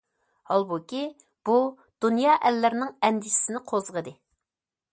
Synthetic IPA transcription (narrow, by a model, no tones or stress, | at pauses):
hɑlˠbukʲi | b̥u | d̪̥unjɑːʔɛlːɪɾnɪŋɛnd̪ɪʃɪ̥sɪnɪqʰozʁəd̪ɨ